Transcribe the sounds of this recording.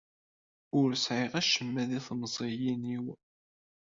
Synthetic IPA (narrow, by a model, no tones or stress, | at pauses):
ʊɾsʕeʁæʃəmːæðiθməzˤijiniw